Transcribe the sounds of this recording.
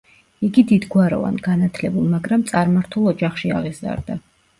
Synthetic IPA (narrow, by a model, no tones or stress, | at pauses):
iɡid̪id̪ɡwaɾɔ̰va̰nɡanat̪ʰlɛbulˠmaɡɾamt̪sʼaɾmaɾt̪ʰulˠɔd͡ʒaχʃia̰ʁizza̰ɾd̪a